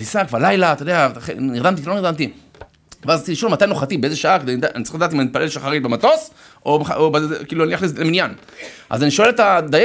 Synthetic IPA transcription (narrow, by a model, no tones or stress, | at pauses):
isakvalajlat̪ojd̪eaχḛniʁd̪amt̪ikiloniʁd̪amt̪i | veazt͡siliʃolmat̪ajnoχat̪ibeezeʃaaked̪endʔanitaʁiχladaːt̪imanit̪̚palelʃaχaʁibemat̪o̞s | ʔobeaobakiːluaniaχlisleminjan | ʔa̰zaniʃoelet̪ad̪aje